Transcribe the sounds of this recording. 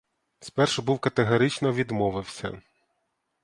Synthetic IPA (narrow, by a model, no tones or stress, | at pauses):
spɛrʃɛbuwkɐt̪eɦɔɾɪt͡ʃnɔʋʲid̪mɔʋɪwsʲɐ̰